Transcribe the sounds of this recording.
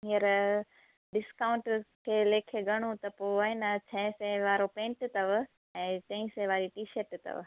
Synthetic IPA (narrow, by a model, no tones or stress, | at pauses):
ɦiəɾ | ɖɪskaːʊ̃ɳʈkʰeːleːkʰeɡɐɽ̃ũt̪ɐpoːaenɐt͡ɕʰɐ̃sẽʋaːɾopẽːʈt̪ɐʋ | ɛ̃ːt̪ɐ̃ĩsẽʋaːɾiʈiːʃɐɾʈt̪ɐ̰ʋ